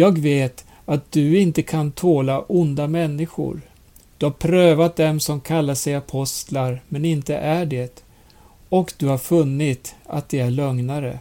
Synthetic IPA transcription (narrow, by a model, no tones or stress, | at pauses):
jɑːɡveːt̪ | at̪̚d̪̥ɵɪnt̪əkʰant̪ʰoːlaʔʊnd̪amɛnːɪɧʊ̰ɾ | d̪̥ɵhaɾpʰɾøːvat̪̚d̪ɛmsɔmkʰalːaʂɛjapʰɔst̪laɾmɛnɪnt̪ə̰ʔæɖet̪ | ɔkd̪ɵhaɾfɵnːɪt̪a̰t̪̚d̪ɛæɭœŋnaɾə̰